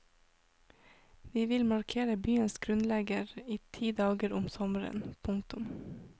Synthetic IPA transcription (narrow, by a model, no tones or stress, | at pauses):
ʋiːʋɪlmɑɾkʰeːɾəbyːənsɡɾʉnlɛɡəɾiːt̪ʰiːd̪ɑːɡəɾʊmsɔməɾə̰npʰʊŋt̪ʊm